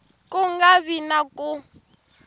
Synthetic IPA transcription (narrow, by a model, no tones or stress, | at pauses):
kʼʊŋɡaβinakʼʊ